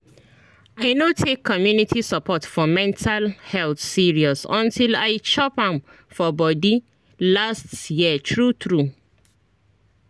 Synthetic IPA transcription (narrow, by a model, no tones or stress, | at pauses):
aɪnotʰekʰːɔmjunitʰisapʰɔtfɔmɛ̃ntʰalhɛlθsiɹiɔsɔ̃ntilaɪt͡ʃɔpãm | fɔbɔdi | lastjiətʰɹutɹu